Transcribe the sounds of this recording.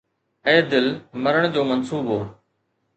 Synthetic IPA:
eːd̪ɪlməɾəɽ̃d͡ʑoːmənsuːbɦoː

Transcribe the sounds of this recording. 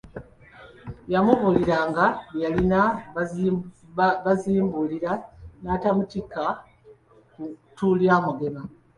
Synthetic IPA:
jamuβuliɾaːŋɡajalina | βaziːmbuliɾanaːtamutika | kutuljaːmoɡe̞ma

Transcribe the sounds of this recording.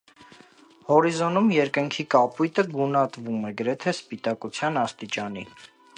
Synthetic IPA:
hɔɾizɔnumjɛɾkəŋkʰikɑpujt̪əɡunɑt̪vumɛɡəɾɛt̪ʰɛspit̪ɑkut͡sʰjɑnɑst̪it͡ʃɑnḭ

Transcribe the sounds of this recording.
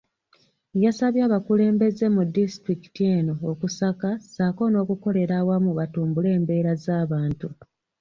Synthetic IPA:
jasaβjaːβakule̞ːmbe̞ze̞mudistɾiki̥tie̞ːno̞ːkusakasako̞no̞ːkuko̞le̞ɾawamuβatuːmbule̞ːmbe̞ːɾazaːβaːntu

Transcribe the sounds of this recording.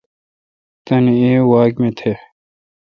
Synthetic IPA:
t̪ɐneeːwaːkmẽt̪ʰe

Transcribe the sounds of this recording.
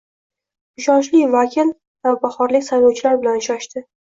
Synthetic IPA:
ʊʃɒnt͡ʃlɪvakʲʰɪl | vabaχɒɾlɪkʲsajlɒwt͡ʃʰɪlaɾbɪlanɪʃaʃt̪ɪ

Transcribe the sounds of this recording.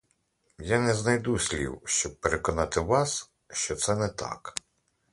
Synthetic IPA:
janɛznɐjd̪usʲlʲḭwʃt͡ʃɔb̚peɾekɔnɑt̪ɪʋɑs | ʃt͡ʃɔt̪sɛnɛt̪ɑ̰k

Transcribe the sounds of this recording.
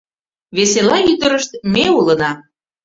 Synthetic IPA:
βeselɑyt̪əɾəʃt̪̚meulənɑ

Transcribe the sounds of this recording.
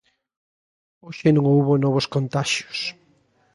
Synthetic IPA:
oʃenõŋouβonɔβ̞oskont̪aʃjo̥s

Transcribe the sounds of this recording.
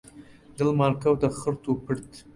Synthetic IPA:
d̪əlmɑɾkawd̪əxəɾt̪opəɾt̪

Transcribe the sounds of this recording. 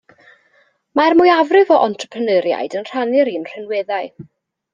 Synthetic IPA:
marmʊːjavrɪvɔʔɔntʰrəpʰənəɾja̰ɨdənr̥anɪɾiːnr̥ɛnwɛðaɨ

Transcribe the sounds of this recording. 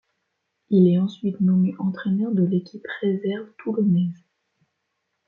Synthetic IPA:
ilɛɑ̃sɥit̪nɔmeʔɑ̃t̪χɛnœʁd̪əlekʲʰipχezɛʁvt̪ulɔnɛz

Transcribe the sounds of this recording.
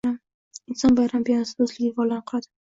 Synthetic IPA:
am | ɪnsɒnbajɾambijanasɪɵzlɪɡʲavɒlanqʰlˠad̪ɪ

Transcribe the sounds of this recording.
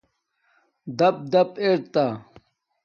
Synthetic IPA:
d̪ɐp̚d̪ɐpeɾt̪a

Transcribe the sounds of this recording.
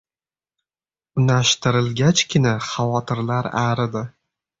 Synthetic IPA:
ʊnaʃt̪ɪɾɪlɡʲat͡ʃkʲʰɪnaχavɒt̪ʰɪɾlaɾaɾɪd̪ɪ

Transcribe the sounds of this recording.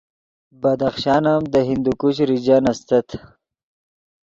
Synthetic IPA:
bɐd̪axʃɑːnamd̪əɦind̪ukuɕɾid͡ʑanɐst̪ɐt̪ʰ

